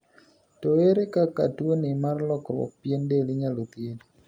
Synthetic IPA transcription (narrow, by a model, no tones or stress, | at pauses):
toeɾekaka̰twonɪmarlɔkɾwɔ̰k̚pjendeliɲalot̪en